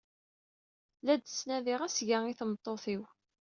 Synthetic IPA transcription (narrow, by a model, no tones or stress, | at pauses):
læd̪snæðɪʁæsʝaiθəmt̪ˤːoθiw